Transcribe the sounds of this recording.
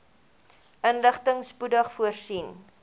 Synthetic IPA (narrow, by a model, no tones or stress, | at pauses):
ʔənləχtəŋspudəχfuərsin